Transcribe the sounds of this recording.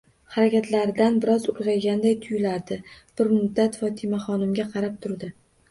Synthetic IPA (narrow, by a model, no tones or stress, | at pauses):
hɑɾakʲat̪ʰlaɾɪd̪anbɪɾɒzʊɾʁɑjɡʲand̪ajt̪ʰʊjlaɾd̪ɪb̥ɪɾmʊd̪ːat̪fɒt̪ʰɪmaχɒnɪmɡʲaqʰɑɾap̚t̪ʰʊɾd̪ɪ